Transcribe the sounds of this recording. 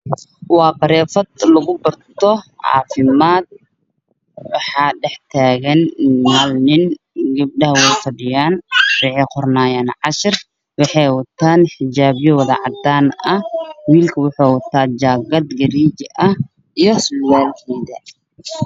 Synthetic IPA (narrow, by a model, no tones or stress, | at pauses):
wɑːqɑɾɛːfɐd̪lɐɣʊbɐrt̪ʰɔʕɑ̰ːfɪmaːd̪̚ | wɑħɑːɖɛħt̪ʰaːɣɐnːaːlnɪn | ɡɐb̚ɖɐɦɐwɛjfɐɖɪjaːnrɪʕiːqʊrnaːjaːnʕɑʃɪr | wɑħɑjwɐt̪ʰaːnħɪd͡ʒaːβjɔwɐðɐ̰ʕɑd̪aːnɐhwiːlkʰɐwʊħɑːwɐt̪ʰːaːd͡ʒaːɡɐd̪ɡɐɾiːd͡ʒɪʔɐ | ijɔslaːlkʰɛːðɐ